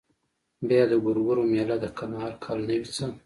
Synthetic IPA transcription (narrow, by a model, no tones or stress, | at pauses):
bjɑd̪əɡʊɾɡʊɾomjɑlad̪əkʰanɑɑɾkʰɑlnəwit͡səm